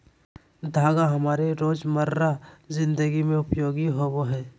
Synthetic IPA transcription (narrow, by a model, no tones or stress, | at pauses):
d̪ʱaːɡaɦɐmaːɾeɾoːd͡ʒməɾɾazɪ̃nd̪əɡimẽʊpjoːɡiɦowoɦɛː